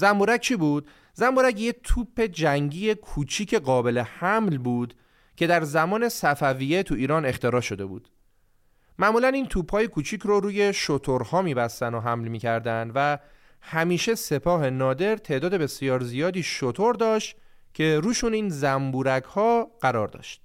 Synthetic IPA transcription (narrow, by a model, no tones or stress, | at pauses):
zæmbuːɾæk̚t͡ʃʰiːbuːd̪̚ | zæmbuːɾæcjet̪ʰuːpʰːe̞d͡ʒæŋɟiːje̞kʰuːt͡ʃʰiːcʰe̞ɢɒːbe̞le̞hæmlbuːd̪̥ | cʰe̞d̪æɾzæmɒːne̞sæfæviːjet̪ʰuiːɾɒːne̞xt̪e̞ɾɒːʃo̞d̪e̞bṵːd̪̥ | mæʔmuːlæniːnt̪ʰuːphɒːje̞kʰuːt͡ʃʰiːcʰɾoɾuːje̞ʃo̞t̪ʰoɾhɒːmiːbæst̪ænoɦæmlmiːcʰæɾd̪ænd̪væ | hæmiːʃe̞se̞pʰɒːhe̞nɒːd̪e̞ɾt̪ʰe̞ːʔd̪ɒːd̪e̞be̞sijɒːɾzijɒːd̪iːʃot̪ʰoɾd̪ɒːʃt̪cʰe̞ɾuːʃuːniːnzæmbuːɾæɡhɒːɢ̥æɾɒːɾd̪ɒ̰ːʃt̪̚